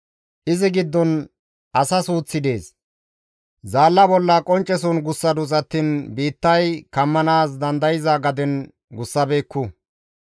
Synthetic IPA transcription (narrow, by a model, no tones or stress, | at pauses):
ʔɪzɪɡɪd̪ːɔn | ʔɐsɐsuːt͡sːɪd̪e̞ːs | zaːlːɐbɔlːɐkʼɔnt͡ʃʼːɛsunɡʊsːɐd̪ʊt͡sʼɐt̪ːiːnbiːt̪ːɐjkɐmːɐnaːs̬d̪ɐnd̪ɐjɪzaɡɐd̪ɛn | ɡʊsːɐbe̞ːkːʊ